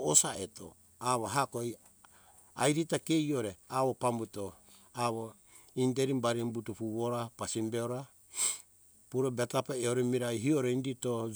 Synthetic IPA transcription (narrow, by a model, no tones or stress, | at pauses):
osaeto̰ | aβoɦakoj | ajɾitake̞joɾeaβopambuto | aβo | indeɾimbaɾimbutupuβoɾapasimbeoɾa | puɾobetapaeoɾemiɾajɦioɾeindito